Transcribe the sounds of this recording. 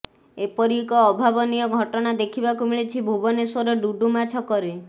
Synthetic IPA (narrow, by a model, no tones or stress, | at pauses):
epɔɾikɔːbʱabɔnijɔɡʱɔʈɔnad̪ekʰibakumiɭet͡ʃʰibʱubɔnesɔɾɔɖuɖumat͡ʃʰɔkɔɾe